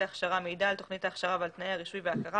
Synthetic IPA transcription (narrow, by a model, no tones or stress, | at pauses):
aːχʃaʁameidaːlto̞χnitaːχʃaʁavalt̪najeaʁiʃujveakaʁa